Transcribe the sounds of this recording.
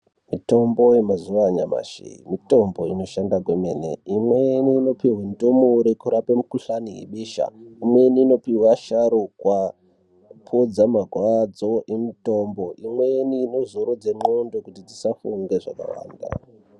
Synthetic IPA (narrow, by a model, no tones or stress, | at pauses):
mito̞mbo̞jemazuʋaɲama̰ʃḭimito̞mbo̞ino̞ʃandakwemene̞̰imweniːno̞piwendomuɾikuɾapemukuɬanijḛɓiːʃa̰imwe̞niːno̞piwaʃaɾukwa | pʰod͡zamaɡʱwad͡zo̞ʔemito̞mbo̞ʔimwe̞niːno̞zoɾod͡zeŋ͡ǃondokutid͡zisafuŋɡe̞ʐa̰ka̰wa̰ːnda̰